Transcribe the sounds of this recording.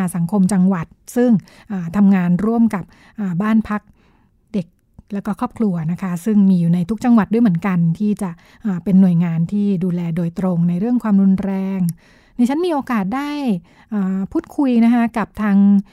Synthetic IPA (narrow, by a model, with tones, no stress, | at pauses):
sa˩˦ŋkʰo˧mt͡ɕa˧ŋwa˨˩t̪̚sɯ˥˩ŋ | ʔaː˨˩t̪ʰa˧mŋaː˧nɾu˥˩əmka˨˩p̚ | ʔaː˨˩baː˥˩npʰa˦˥k̚ | de˨˩k̚ | lɛ˦˥wkɔː˥˩kʰɔː˥˩p̚kʰlu˧ɐna˦˥kʰa˦˥sɯ˥˩ŋmiː˧juː˨˩na˧jt̪ʰu˦˥k̚t͡ɕa˧ŋwa˨˩t̪̚du˥˩jm˩˦nka˧nt̪ʰiː˥˩t͡ɕa˨˩ʔ | ʔaː˨˩pe˧nːu˨˩əjŋaː˧nt̪ʰiː˥˩duː˧lɛː˧doː˧jt̪ɾo˧ŋna˧jɾɯ˥˩əŋkʰwaː˧mɾu˧nɾɛː˧ŋ | na˧˦t͡ɕʰa˦˥nmiː˧ʔoː˧kaː˨˩t̪̚daː˥˩j | ʔaː˨˩pʰuː˥˩t̪̚kʰu˧jna˦˥kʰa˦˥ka˨˩p̚t̪ʰaː˧ŋ